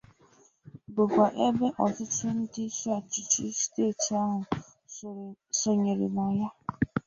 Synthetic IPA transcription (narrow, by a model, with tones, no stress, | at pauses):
bʊ˨kʷa˨ʔe˦be˦ʔɔ˨tʊ˦tʊ˦n̩˦di˦su˦a˨t͡ʃi˨t͡ʃi˦ste˦˨ti˨a˦ɦʊ˨ | so˨ɲe˨ɾḛ˨nɔ˨ja˦